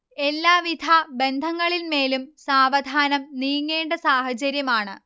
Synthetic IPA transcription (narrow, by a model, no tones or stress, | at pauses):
e̞lːaːʋid̪ʱaːbe̞nd̪ʱɐŋːɐɭilme̞ːlumsaːʋɐd̪ʱaːnɐmniːŋːe̞ːɳɖɐsaːhɐt͡ɕɐɾjɐmaːɳɨ